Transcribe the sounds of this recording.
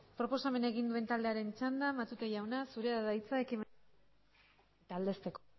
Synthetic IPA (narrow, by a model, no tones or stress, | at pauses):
pɾo̞po̞same̞naeɣind̪ue̞nt̪ald̪e̞aɾe̞nt͡ʃand̪amat̪ut̪eʝawnasuɾe̞aðajt͡sae̞kim | et̪aːld̪e̞st̪e̞k